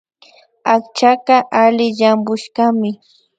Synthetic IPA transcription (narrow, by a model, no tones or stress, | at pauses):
akt͡ʃakaʔalɪʎambʊʃkamɪ